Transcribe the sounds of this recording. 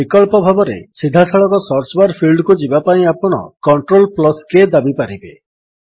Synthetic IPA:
bikɔlpɔbʱabɔɾḛsid̪ʱasaɭɔkɔsɔɾt͡ʃbaɾpʰilɖkud͡ʒibapaĩapɔɽ̃ɔ̰kɔɳʈɾolplɔsked̪abipaɾibe

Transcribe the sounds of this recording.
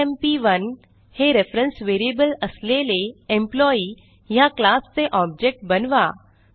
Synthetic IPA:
empiʋən | heɾefɾə̃nsʋeːɾiebəlɐsleleẽmplɔːi | jaklaːsːeʔɔːb̚d͡ʒek̚ʈ̚bɐnʋaː

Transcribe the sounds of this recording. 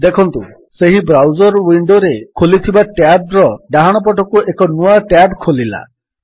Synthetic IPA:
d̪ekʰɔnt̪u | seɦibɾawd͡ʒɔɾwiɳɖoɾekʰolit̪ʰibaʈabɾɔɖaɦaɽ̃ɔp̬ɔʈɔkuekɔnuaʈabkʰolila̰

